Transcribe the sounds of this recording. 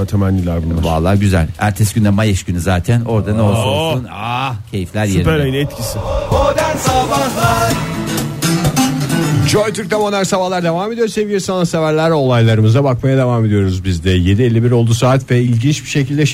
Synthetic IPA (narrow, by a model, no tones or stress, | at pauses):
t̪ʰemænlʲilʲæɾbunva̰lˠːaːɟyzæ̰lʲæ̰ɾt̪ʰɛsɟynd̪ɛmajaʃynyzaːt̪ʰæno̞ɾd̪anolˠssunacʰe̞jiflʲæɾjsepɛɾajnɛt̪cʰisiod̪ænsabalˠaɾ | d͡ʒojt̪ʰyɾk̚t̪ʰamonæɾsabahlˠaɾd̪e̞vaːmed̪ijoɾse̞vijeɾsanˠasevæɾlʲæɾo̞lˠajlˠaɾɯmɯzabakmajad̪e̞vaːme̞d̪ijo̞ɾuzbizd̪ɛje̞d̪ilʲːibiɾo̞lˠd̪usaːt̪vɛilʲɟint͡ʃbiʃecʰilʲd̪ɛ